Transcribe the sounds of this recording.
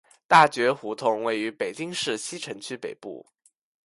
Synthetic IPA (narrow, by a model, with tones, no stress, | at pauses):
t̪a˥˩t͡ɕɥɛ˧˥xu˧˥t̪ʰʊ˥˩ŋwe˥˩ɪy˧˥pe˨˩ɪt͡ɕi˥ŋʂɻ̩˥˩ɕi˥ʈ͡ʂʰə˧˥ŋt͡ɕʰy˥pe˨˩ɪpṵ˥˩